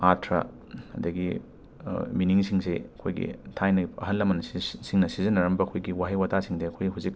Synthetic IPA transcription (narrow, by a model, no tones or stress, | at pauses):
atʰɾɐ̰ | ɐ̰dɐɡi | miniŋsiŋseɐkʰojɡḭtʰajnɐɐ̰ɦɐnlɐmːɐnɐsisiŋnɐsizɐnːɐɾɐmbɐɐkʰojɡiwaɦejwatasiŋdeɐkʰojɦuzik̚